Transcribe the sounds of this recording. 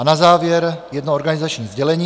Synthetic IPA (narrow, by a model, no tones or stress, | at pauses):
anazaːvjɛɾjɛd̪nooɾɡanɪzat͡ʃɲiːzɟɛlɛɲiː